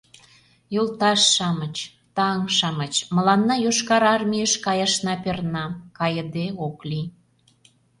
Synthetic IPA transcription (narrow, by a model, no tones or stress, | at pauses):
jolt̪ɑʃːɑmət͡ɕ | t̪ɑŋʃɑmət͡ɕmə̆lɑnːɑjoʃkɑɾɑrmʲijəʃkɑjɑʃnɑpernɑkɑjə̆d̪eoklʲi